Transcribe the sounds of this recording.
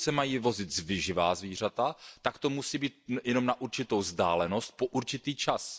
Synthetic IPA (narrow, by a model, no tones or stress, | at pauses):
sɛmajiːvo̞zɪt̪zvɪʒɪvaːzviːr̝at̪at̪akt̪o̞musiːbiːt̪̚jɛno̞mnaʔuɾt͡ʃɪt̪o̞wzdaːlɛno̞st̪̚poʔuɾt͡ʃɪt̪iːt͡ʃas